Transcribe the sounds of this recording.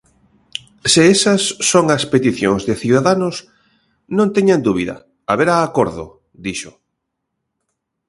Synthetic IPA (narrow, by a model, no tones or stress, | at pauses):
seesɐsːoŋɐspet̪iθjõŋzðɪθjuðaðanʊs | nõnt̪eɲand̪uβiðɐ̰ | a̰βeɾaːkoɾðʊ̰ | d̪iʃʊ